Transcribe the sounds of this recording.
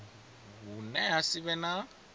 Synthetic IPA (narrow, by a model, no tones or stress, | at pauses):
βunɛasiβɛna